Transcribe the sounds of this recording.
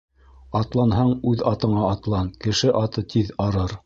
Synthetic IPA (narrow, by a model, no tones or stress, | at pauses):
ɑt̪lˠɑnɦɑɴʉðɑt̪ɤ̆ɴɑːt̪lˠɑnkɘ̆ʃɘʔɑt̪ɤt̪ʰiðɑɾɤɾ